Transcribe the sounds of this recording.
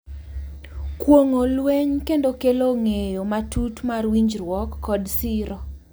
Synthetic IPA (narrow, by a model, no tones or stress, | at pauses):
kwoŋolweɲkendokeloŋejomatutmarwiɲd͡ʒɾwɔkːɔdsɪɾɔ